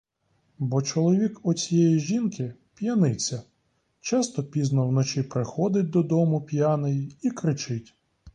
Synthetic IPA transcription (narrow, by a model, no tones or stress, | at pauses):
bɔt͡ʃɔlˠɔʋʲikɔt͡sʲijɛjiʒinkɪ | pʲjɐnɪt͡sʲːɐ | t͡ʃɑst̪ɔpʲiznɔwnɔt͡ʃipɾɪxɔd̪ɪt̚ʲd̪ɔd̪ɔmʊpʲjɑnɪjiikɾɪt͡ʃɪtʲ